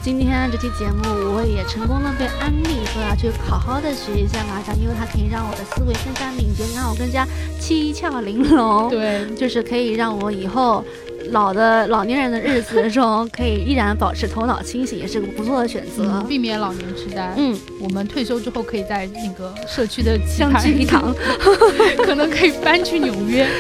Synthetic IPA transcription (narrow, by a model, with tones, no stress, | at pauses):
t͡ɕi˥nt̪ʰjɛ˥n˧ʈ͡ʂɤ˥˩t͡ɕʰy˥t͡ɕjɛ˧˥mu˥˩wɔ˧˥jɛ˨˩ʈ͡ʂʰɤ˧˥ŋkʊ˥ŋd̪ə˨˧pe˥˩ɪʔa˥nli˥˩xə˧˥a˥˧˩t͡ɕʰy˥˩kʰɑ˨˩ʊxɑ˥ʊd̪ə˨ʂɻ̩˧˥ɕi˥˧ɕja˥˩ŋla˧˥˩i˥wɪt̪ʰa˥kʰɤ˧˥i˨˩ɻɑ˥˩ŋwɔ˨˩d̪ə˦sɹ̩˥we˧˥ɪʂə˥ŋʂa˥nmi˨˩ŋt͡ɕɛ˧˥na˥˩wɔ˨˩kɤ˥ŋt͡ɕja˥t͡ɕʰi˥i˥t͡ɕʰjɑ˥˩ʊli˧˥ŋlʊ˧˥ŋt̪we˥˩ɪt͡ɕjo˥˧ʊʂɻ̩˥˩kʰɤ˧˥i˨˩ɻɑ˥˩ŋwɔ˧˥i˨˩xo˥˩ʊ | lɑ˨˩ʊd̪ə˦lɑ˨˩ʊnjɛ˧˥nɻə˧˥nd̪ə˧ɻɻ̩˥˩t͡sɹ̩˨˩ʈ͡ʂʊ˥ŋkʰɤ˧˥i˨˩i˥˩ɻa˧˥npɑ˨˩ʊʈ͡ʂʰɻ̩˧˥t̪ʰo˧˥ʊnɑ˨˩ʊt͡ɕʰi˥ŋɕi˧˥ŋjɛ˨˩ʂɻ̩˥˧˩ɡə˩pu˧˥t͡sʰwɔ˥˩d̪ə˩ɕɥɛ̰˨˩nt͡sɤ˧˥˧pi˥˩mjɛ˧˥nlɑ˨˩ʊnjɛ˧˥nʈ͡ʂ̩ʰ˥t̪a˥˩ɪn̩˥˩ | wɔ˨˩mə˦nt̪ʰwe˥˩ɪɕjo˥ʊʈ͡ʂɻ̩˥xo˥˩ʊkʰɤ˧˥i˨˩t͡sa˥˩ɪna˥˩ɡə˩ʂɤ˥˩t͡ɕʰy˥d̪ə˨ɤ˥˧ŋ˧y˥i˥˩t̪ʰɑ˧˥ŋ | kʰɤ˨˩nɤ˧˥ŋkʰɤ˧˥i˨˩pa˥nt͡ɕʰy˥˩njo˨˩ʊɥɛ˥